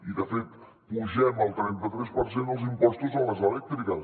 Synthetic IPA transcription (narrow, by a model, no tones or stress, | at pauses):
iðəfet̪ | puʒɛməlˠt̪ɾɛnt̪ət̪ɾɛspəɾsend̪əlˠzimpɔst̪uzələzəlɛk̚t̪ɾikə